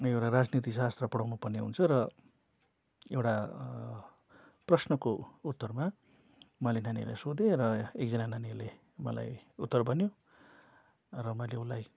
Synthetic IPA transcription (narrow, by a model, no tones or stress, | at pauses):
ewʈarad͡znit̪̬isast̪rʌpʌɽʌwnupʌrneɦṵnt͡sʰʌɾʌ | ewʈa | prʌsnʌkout̪ːʌrma | mʌlenanḭla̰jsod̪ẽrʌek̚d͡zʌnananile | mʌ̰la̰jut̪ːʌrbʱʌnjo | rʌmʌlewlaj